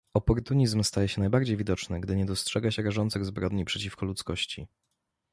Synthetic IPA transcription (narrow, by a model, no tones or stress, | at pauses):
ɔpɔɾt̪uɲizmst̪ajɛɕɛnajbaɾd͡ʑejvʲid̪ɔt͡ʂnɘɡd̪ɘɲɛd̪ɔstʂɛɡaɕɛɾaʐɔnt̪sɘɣzbɾɔd̪ɲipʂɛt͡ɕifkɔlut̪skɔɕt͡ɕḭ